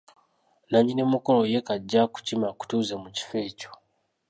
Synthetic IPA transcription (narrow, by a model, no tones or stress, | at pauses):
naɲinemuko̞lo̞je̞kaɟːaku̥cimaku̥tuzemuci̥fe̞ːco